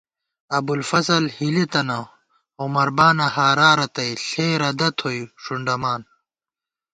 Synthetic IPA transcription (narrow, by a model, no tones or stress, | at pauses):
ɐbulfɐzɐlhilit̪ɐnɐ | omɐɾbaːnɐhaːɾaːɾɐt̪ɐjɬeːɾɐd̪ɐt̪ʰojʂuɳɖɐmaːn